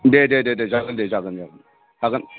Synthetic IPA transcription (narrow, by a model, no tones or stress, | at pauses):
dedededed͡ʒaɡɐndeːd͡ʒaɡənd͡ʒaɡən | d͡ʒaɡən